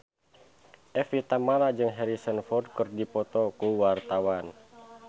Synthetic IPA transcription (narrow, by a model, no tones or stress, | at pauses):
ʔɛfit̪amalad͡ʒɨŋɦɛɾisənfɔrd̚kɨrdipɔt̪ɔkuwart̪awan